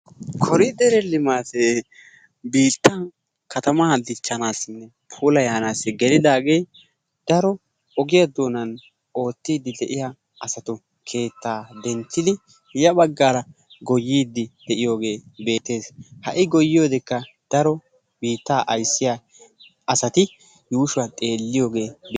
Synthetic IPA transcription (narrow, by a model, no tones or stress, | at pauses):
kʰɔɾɪd̪ɛɾɛlɪmaːse | biːt̪ːa | kʰɐt̪ɐmaːd̪ɪt͡ʃːɐnaːsɪnːɛ | pʰuːlɐjaːnaːsːɪɡɛlɪd̪aːɡej | d̪̥ɐɾɔ | ɔɡɪjad̪oːnɐn | o̞ːt̪ːiːd̪ːɪd̪ɛʔɪja | ɐsɐt̪ʊ | kʰe̞ːt̪ːaːd̪ɛnt͡ʃːɪd̪ɪ | jɐbɐɡːaːɾɐ | ɡɔjːiːd̪ːɪd̪̥ɛʔɪjo̞ːɡe̞ːbe̞ːt̪ːe̞ːshɐʔɪɡɔjːɪjoːd̪ɪkːɐ | d̪̥ɐɾɔ | biːt̪ːaːʔɐjsːɪja | ʔɐsɐt̪ɪ | juːʃɐt̪ʼe̞ːlːɪjo̞ːɡe̞ːb